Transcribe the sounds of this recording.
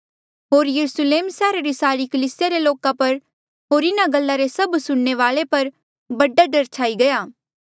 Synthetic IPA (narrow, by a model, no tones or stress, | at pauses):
ɦoːɾjɐɾʊsleːmsɛːɾaɾisaːɾikɐliːsɪjaɾeloːkapɐɾ | ɦoːɾɪnaɡɐlːaɾesɐbsʊɽneʋaːɭepɐɾ | bɐɖaɖɐɾt͡ʃʰaːiɡɐjaː